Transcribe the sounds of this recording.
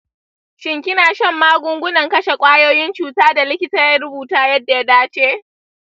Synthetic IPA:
ʃɪ˨ŋkʲɪ˦naː˨ʃɐ˦˨mːaː˦ɡʷʊ˦ŋɡʷʊ˦nɐ˨ŋkɐ˦ʃe˨kʷʼaː˦joː˦jɪ˦nt͡ʃuː˨taː˦da˨lɪ˦kʲɪ˦taː˦ja˦ɾʊ˦buː˨taː˦jɐ˦dːa˨ja˦daː˦t͡ʃeː˦ʔ

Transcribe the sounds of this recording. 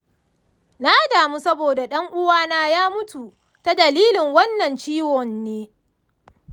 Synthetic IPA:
naː˦daː˨mu˦sɐ˦boː˨da˨ɗɐ˦ŋʔʊ˦waː˦naː˦jaː˦mʊ˦tu˨ | ta˦dɐ˨liː˦lɪ˨ŋwɐ˦nːɐ˨nt͡ʃiː˦wɔ˨nːeː˦

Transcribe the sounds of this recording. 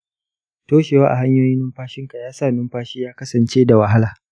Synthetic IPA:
toː˦ʃeː˨waː˦ʔa̰˨ɦa˦ɲjoː˦jɪ˦nɪ˦mɸaː˦ʃɪ˦ŋka˨jaː˦saː˨nɪ˦mɸaː˦ʃiː˦jaː˦kɐ˦sɐ˨nt͡ʃeː˦da˨wɐ˨ɦa˦laː˨

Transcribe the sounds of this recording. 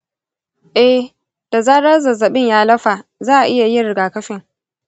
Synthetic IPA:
ʔɛ˦h | d̥a˨zaː˦ɾɐ˦rzɐ˨zɐ˨ɓɪ˦ɲjaː˦lɐ˦ɸa˨zaː˦ʔa˨ʔɪ˦ja˨ji˦ɽɪ˨ɡaː˨kɐ˦ɸɪ˨ŋ

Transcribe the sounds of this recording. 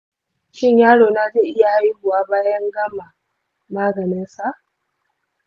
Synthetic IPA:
ʃɪ˦ɲjaː˦ɽoː˨naː˦d͡ʒeː˦˨ʔɪ˦ja˨˦ji˦ɡʊ˨waː˦baː˦jɐ˦ŋɡɐ˦ma˨ | maː˦ɡɐ˨nɪ˦nsa˨ʔ

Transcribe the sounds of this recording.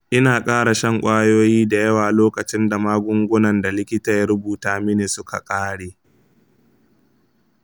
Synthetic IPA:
ʔɪ˦naː˨kʼaː˦ɽa˨ʃɐ˦ŋkʷʼaː˦joː˦jiː˦da˨jɐ˦waː˨loː˦kɐ˨t͡ʃɪ˦nda˨maː˦ɡʷʊ˦ŋɡʷʊ˦nɐ˨nda˨lɪ˦kʲɪ˦taː˨jɐ˦ɾʊ˦buː˨taː˨mɪ˦neː˨sʊ˦ka̰˨kʼaː˦ɽeː˨

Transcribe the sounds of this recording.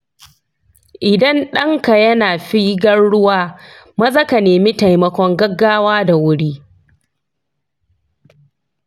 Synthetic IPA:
ʔɪ˨dɐ˦nɗɐ˦ŋka˨jɐ˦naː˨ɸi˦ɡɐ˦nɽʊ˦waː˦ | mɐ˦zɐ˦ka˨neː˨mi˦ta˨jmɐ˦kʷɔ˦ŋɡɐ˦ɡːaː˦waː˦da˨wʊ˦ɽiː˦

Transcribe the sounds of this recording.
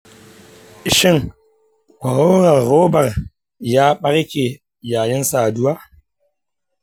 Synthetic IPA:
ʃɪ˦ŋ | kʷɐ˨ɾoː˦ɾɐ˨rːoː˦bɐ˨r | jaː˦ɓɐ˦ɾkʲe˨ | jaː˨jɪ˦nsaː˨dʊ˦waː˦

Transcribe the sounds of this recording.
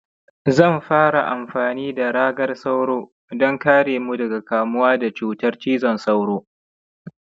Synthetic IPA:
zɐ˦˨mɸaː˦ɽa˨ʔa˨mɸaː˨niː˦da˨ɽaː˦ɡɐ˦rsa˦wɽoː˦ | dɔ˦ŋkaː˦ɽeː˨mu˦dɐ˨ɡa˨kaː˨mʊ˦waː˦da˨t͡ʃuː˦tɐ˦rt͡ʃiː˦zɔ˨nsa˦wɽoː˦

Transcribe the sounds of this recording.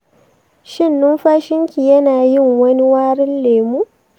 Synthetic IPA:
ʃɪ˦˨nːʊ˦mɸaː˦ʃɪ˦ŋkʲi˨jɐ˦naː˨jɪ˦˨ŋwɐ˦ni˦waː˦ɽɪ˦nleː˨muː˦

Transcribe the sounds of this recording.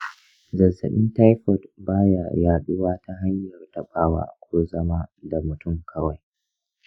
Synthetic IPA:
zɐ˨zɐ̰˨ɗɪ˦nta˦jɸɔ˨tbaː˦ja̰˨jaː˨ɗɪ˦waː˦ta˦ɦa˦ɲjɐ˨rta˨ɓaː˦wa̰ː˦ʔa̰˨kʷoː˦zɐ˦maː˦da˨mʊ˨tʊ˦˨mkʰɐ˦wa˨j

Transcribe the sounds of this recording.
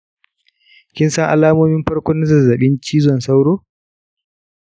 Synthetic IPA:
kʲɪ˦nsɐ˦ŋʔa̰˨laː˦moː˦mɪ˦mɸɐ˦ɽkʷoː˦nɐ˦zɐ˨zɐ˨ɓɪ˦nt͡ʃiː˦zɔ˨nsa˦wɽoː˦

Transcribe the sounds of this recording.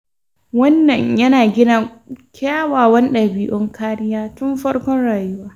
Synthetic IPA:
wɐ˦nːɐ˨ɲjɐ˦naː˨ɡʲɪ˦na˨kʲʰaː˦waː˨wɐ˦nɗɐ˨biː˦ʔɔ˦ŋkʰaː˦ɾɪ˦jaː˦tʊ˦mɸɐ˦ɽkʷɔ˦nɽaː˨jʊ˦waː˦

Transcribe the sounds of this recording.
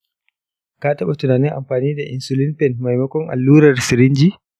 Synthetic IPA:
kaː˦tɐ˦ɓa˨tʊ˨naː˨nɪ˦ŋʔa̰˨mɸaː˨niː˦da˨ʔɪ˨nsʊ˨lɪ˦mpɛ˨nma˨jmɐ˦kɔ˦ŋʔa̰˨lːuː˦ɾɐ˨rsɪ˨ɾɪ˦nd͡ʒiː˦

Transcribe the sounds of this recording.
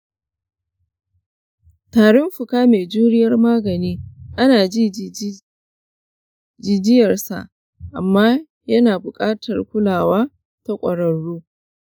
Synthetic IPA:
taː˨ɽɪ˦mɸʊ˨kaː˦meː˨d͡ʒuː˦ɽɪ˦jɐ˦rmaː˦ɡɐ˨niː˦ʔa˦naː˨d͡ʒiː˦ | d͡ʒɪ˨d͡ʒɪ˦jɐ˨rsa̰˨ʔ | ʔa̰˨mːaː˦ | jɐ˦naː˨bʊ˨kʼaː˦tʰɐ˨rkʷʊ˦laː˨waː˦ | ta˦kʷʼɐ˨ɽɐ˨ɽːuː˦

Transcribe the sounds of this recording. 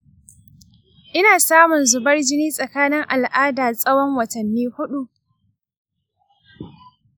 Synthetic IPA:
ʔɪ˦naː˨saː˦mʊ˨nzʊ˨bɐ˦rd͡ʒɪ˦niː˦sʼɐ˨kaː˦nɪ˦ŋʔa˨lʔaː˦daː˨sʼɐ˦wɔ˦ŋwɐ˨tɐ˨nːiː˦hʊ˦ɗu˨ʔ

